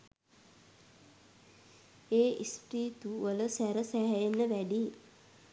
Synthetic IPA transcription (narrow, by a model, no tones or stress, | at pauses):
eːʔispɾiːt̪uʋələsæɾəsæɦjenːəʋæɖi